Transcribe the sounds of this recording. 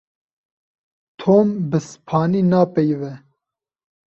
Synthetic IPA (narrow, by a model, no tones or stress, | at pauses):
t̪ʰoːmbɨspʰɑːniːnaːpɛjvɛ